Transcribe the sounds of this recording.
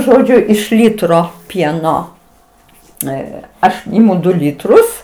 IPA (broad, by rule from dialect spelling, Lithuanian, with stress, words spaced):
ˈʒoːd͡ʒʲʊ ɪʃ ˈlʲiːtroː ˈpʲiɛnoː ˈɛ ˈɐʃ ˈɪmʊ ˈdʊ ˈlʲiːtrʊs